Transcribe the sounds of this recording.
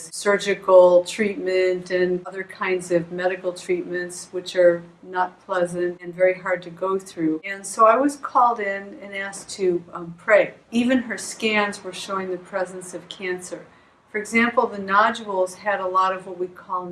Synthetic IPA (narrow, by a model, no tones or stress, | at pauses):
zsɜ˞d͡ʒɨkl̩ˠtʰɹ̥it̚mɨ̃ntɨ̃nʌðə˞kʰãɪ̃ndzʌvmɛɾɨkl̩ˠtʰɹ̥it̚mɨ̃ntswɨt͡ʃə˞ | nət̚pʰl̥ɛzɨ̃ntɨ̃nvɛɹiɦɑɹd̚tʰɨɡoʊθɹʉɨ̃nsoʊaɪwʌz̥kʰɔlˠdɪ̃nɨ̃næstʰɨpʰɹ̥eɪivɨ̃nə˞skæ̃nzwə˞ʃoʊɪ̃ŋðɨpʰɹ̥ɛzɨ̃nsʌv̥kʰæ̃nsə˞ | fə˞ɨɡzæ̃mpl̩ˠðɨnɑd͡ʒəl̩ˠz̥ɨɾəlɔɾʌvwʌt̚wikʰɔlˠ